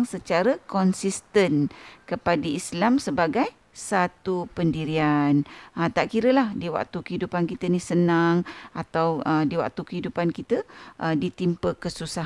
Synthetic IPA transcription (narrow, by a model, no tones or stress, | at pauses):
ŋsət͡ʃaɾəkɔnsist̪ənkəpadəislamsəbaɡaj | sat̪upəndiɾianət̪aʔkiɾəlahdiwa̰k̚t̪ukəɦidupankit̪ənisənaŋat̪awədiwa̰k̚t̪ukəɦidupankit̪əʔədit̪impəkəsusah